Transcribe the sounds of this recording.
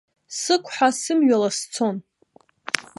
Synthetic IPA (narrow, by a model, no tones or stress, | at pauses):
sɨkʷʰʼħʷasɨmɥalast͡sʰo̞n